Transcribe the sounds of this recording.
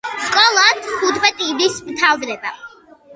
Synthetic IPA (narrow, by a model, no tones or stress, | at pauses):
skʼɔlˠat̪ʰχut̪ʰbɛt̪ʼibismt̪ʰalˠd̪ɾɛba̰